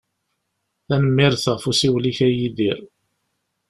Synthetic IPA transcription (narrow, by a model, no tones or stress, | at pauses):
θænəmːɪɾθəʁfusiwliçæjiðiɾ